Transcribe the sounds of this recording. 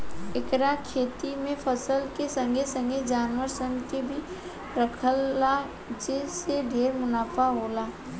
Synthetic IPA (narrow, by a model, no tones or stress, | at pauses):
ɪkɾakʰeːt̪imẽpʰəsəlkesə̃ŋɡʱesə̃ŋɡed͡ʒaːnwəɾsə̃ŋɡk̪ebʱi | ɾəkʰəlːa | d͡ʒeseɖʱeːɾmʊnaːfaɦoːlaː